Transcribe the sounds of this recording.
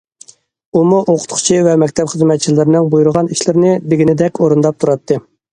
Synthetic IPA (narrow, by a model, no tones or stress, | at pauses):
umuʔoqʰʊ̥t̪χʰʊ̥t͡ʃʰivɛmɛkʲt̪ʰɛpχəzmɛt̪̚t͡ʃʰilɪɾnɪŋbujuɾʊʁɑniʃlɪɾnɪb̪ɪɡʲinɪd̪ɛkʲʰoɾund̪ɑp̚t̪ʰuɾɑt̪ʰːɨ